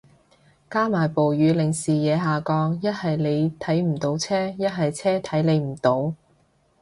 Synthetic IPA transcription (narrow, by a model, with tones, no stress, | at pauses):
kaː˥maː˨˩jpo˨wjyː˨˧lɪ˨˩ŋsiː˨jɛː˨˧ɦaː˨kɔː˧ŋjɐ˥t̚hɐ˨jle˨˧jt̪ʰɐ˨˥jm̩˨˩t̪o˨˥wt͡sʰɛː˥jɐ˥t̚ɦɐ˨jt͡sʰɛː˥t̪ʰɐ˨˥jle˨˧jm̩˨˩t̪o˨˥w